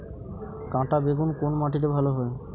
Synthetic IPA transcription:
kãʈabeɡunkonmãʈit̪ebʱaloɦɔe

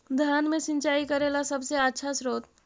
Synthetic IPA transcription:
d̪ʱjanmesĩɲt͡ʃaikəɾelasəbseətːʃʰasɾot̪

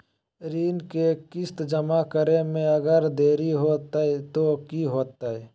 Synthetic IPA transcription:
ɾiːnkekɪst̪d͡ʒəmakəɾemẽəɡəɾd̪eːɾiɦoːt̪aɛt̪okiɦoːt̪ːaɛ

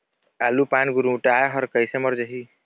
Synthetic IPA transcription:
alupanɡuɾuuʈajɦʌɾkʌjsemʌɾd͡ʒʌɦi

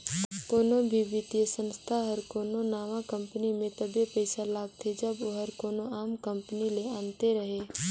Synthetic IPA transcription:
koːnobʱiʋɪt̪ijəsə̃nst̪ʰaɦɐɾkoːnonaːʋakə̃mpnimẽt̪ɐbepɛɪsalaːɡt̪ʰed͡ʒɐboɦɐɾkoːnoaːmkə̃mpənileãːnt̪eɾəɦeː

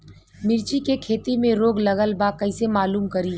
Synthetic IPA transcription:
mɪɾt͡ʃikekʰeːt̪imẽɾoːɡlɐɡəlbakɐɪsemaːluːmkɐɾiː

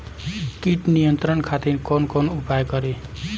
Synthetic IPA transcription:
kiʈnijʌnt̪ɾʌnkʰat̪inkonkonupajkʌɾe

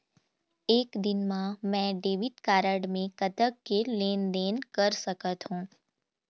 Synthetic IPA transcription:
eːkd̪ɪnmãmɛ̃ːɖeːʋɪʈ̪kaːɾəɽmẽkɐt̪əkːeleːnd̪eːnkəɾsəkət̪ɦũː

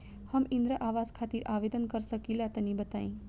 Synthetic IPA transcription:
həmĩnd̪ɾəʔaʋazkʰat̪iːɾʔaʋed̪ənkəɾsəkilat̪ənibət̪a̰ĩ

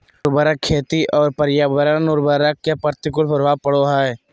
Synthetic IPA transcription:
ɾbəɾəkʰːeːt̪iʔɔːɾpəɾjaːbəɾənʊɾbəɾəkːepəɾt̪ɪkʊlpəɾʋaːb̚pəɽoɦae

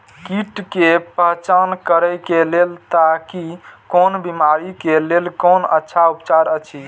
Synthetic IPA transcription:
kiʈkepəɦt͡ʃankəɾəjkelelt̪akikonbimaɾikelelkonə̰tːʃʰaupt͡ʃaɾət͡ʃʰi

